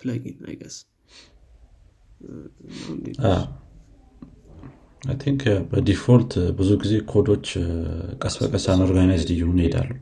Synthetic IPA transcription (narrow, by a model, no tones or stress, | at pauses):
plaɡina̰jɡas | nandia | ajt̪ʰiŋkʰbəd̪ifolt̪ʰbɨzuɡize̞kʰo̞d̪o̞t͡ʃːkʼəsbə̰kʼəsanoɾɡanajzdɨjhonid̪a̰lːu